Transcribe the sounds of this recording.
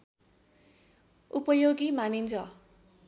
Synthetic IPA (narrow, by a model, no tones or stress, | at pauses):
upʌjoɡimanind͡zʰʌ